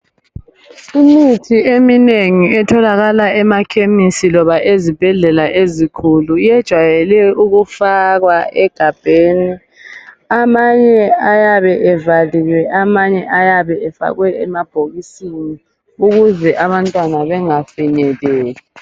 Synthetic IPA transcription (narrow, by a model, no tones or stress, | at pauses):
imitʰiemineŋiɛtʰɔlaɣalaʔɛmakʰemisilɔβaʔezib̥ʱɛɮɛlaʔezikʰuluijɛd̥ʒ̥ʱwajɛlɛuɣufaɣwaɛɡ̥ʱab̥ʱeːni | amaɲɛajaβɛʔɛvalilwɛʔamaɲɛʔajaβɛɛfa̰ɣwɛɛmab̥ʱoɣisini | uɣuzɛʔaβantʼwanaβɛŋafinɛlɛːlɛ